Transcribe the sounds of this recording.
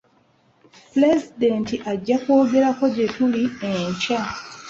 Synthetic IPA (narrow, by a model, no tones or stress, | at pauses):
ple̞zidentiʔaɟːakwo̞ːɡe̞ɾako̞ɟe̞tulieɲca